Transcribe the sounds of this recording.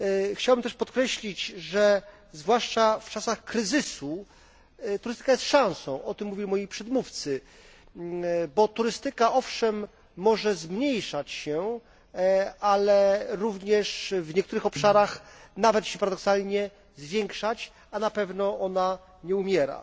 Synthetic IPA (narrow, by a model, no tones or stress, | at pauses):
xt͡ɕawbɘmt̪ɛʂpɔt̪kɾɛɕlʲit͡ɕʐɛ | zvwaʂt͡ʂaft͡ʂasaxkɾɘzɘsu | t̪uɾɘst̪ɘ̥kajɛst̪ʂãw̃sɔ̃w̃ʔɔt̪ɘmːuvʲilʲimɔjipʂɛd̪muft̪sɘ | bɔt̪uɾɘst̪ɘkaʔɔfʂɛmː | ɔʐɛzmɲejʂat͡ɕɕɛ | alɛɾuvɲɛʂvɲɛkt̪uɾɘxɔpʂaɾaxnavɛt̪ɕɛpaɾad̪ɔksalɲɛ | zvʲjɛŋkʂat͡ɕ | anapɛvnɔʔɔna | ɲɛumʲjɛɾa̰